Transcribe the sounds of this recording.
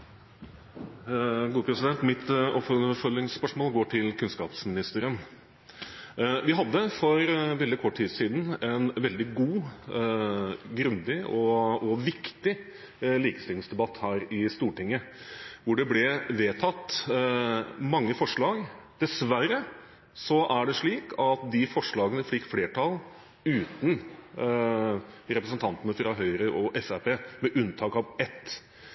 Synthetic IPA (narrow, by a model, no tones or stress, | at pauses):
ɡuːəpʰɾɛsɪd̪ɛnt̪mɪt̪ɔpfɔfœlːɪŋspœʂmoːlɡoːʈʰɪlkʰʉnskɑ̰ːpsmɪnɪst̪əɾən | ʋɪɦɑd̪ːəfɔɾʋɛld̪ɪkʰɔʈːʈʰːiːsiːd̪n̩ɛnʋɛld̪ɪɡuː | ɡɾʉnd̪ɪɔɔʋɪkt̪ɪ | liːkə̥st̪ɪlɪŋsd̪ɛbɑt̪ːhæːɾɪst̪uːʈɪŋːəʋʊɖɛblɛʋeːt̪ʰɑt̪ː | mɑŋːəfɔʂɭɑːɡd̪̥ɛsʋæɾə | sɔʔæɖɛʂɭiːkʰɑt̪̚d̪ɪfɔʂɭɑːɡənəfɪkːfleːʈʰɑl | ʉːt̪n | ɾɛpɾəsənt̪ʰɑnt̪ənəfɾɑɦœʏɾəʔɔʔɛsæɾpeːmɛʔʉnt̪ʰɑːkɑːʋɛt̪ː